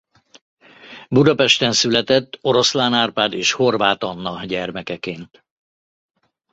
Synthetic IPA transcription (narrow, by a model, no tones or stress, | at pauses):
bud̪ɒpɛʃt̪ɛnsylɛt̪ɛt̪ːo̞ɾo̞slaːnaːrpaːd̪eːʃho̞rvaːt̪ɒnːɒɟɛrmɛkɛkeːnt̪